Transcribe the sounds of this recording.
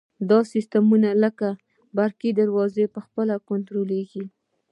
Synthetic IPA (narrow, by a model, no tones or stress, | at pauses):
d̪ɑsist̪amunaləka | baɾkid̪aɾwɑzepəxpəlakʊnt̪ɾoleɡi